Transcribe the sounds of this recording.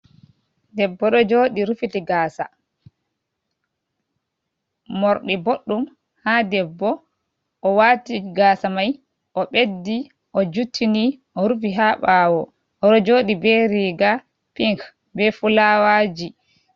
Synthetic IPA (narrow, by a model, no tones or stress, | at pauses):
dɛbːɔɗɔd͡ʒoːɗiɾufitiɡaːsa̰ | mɔɾɗiboɗːum | hadɛbːɔ | ʔɔwaːtiɡaːsamaj | ʔɔɓedːi | ʔɔd͡ʒutʰːiniʔɔɾufiɦaɓaːwɔ | ɔɗɔd͡ʒoːɗibɛɾiɡa | piŋk | bɛfulawad͡ʒi